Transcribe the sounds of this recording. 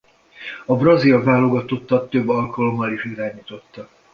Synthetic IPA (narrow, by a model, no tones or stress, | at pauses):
ɒbrɒzilvaːlːo̞ɡɒt̪o̞t̪ːɒt̪ːøbːɒlkɒlo̞mːɒliʃiɾaːɲiːt̪ot̪ːɒ